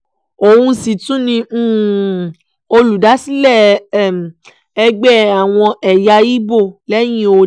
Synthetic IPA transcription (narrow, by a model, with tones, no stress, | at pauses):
o˨wũ˧si˨tũ˨˦nĩ˧˦˨ | o˧lu˨da˨˦si˦lɛ˦˨ | ɛ˧ɡ͡bɛ˦˨a˨w̃ɔ̃˧ʔɛ˨ja˧i˦bo˦˨lɛ˦j̃ĩ˦o˧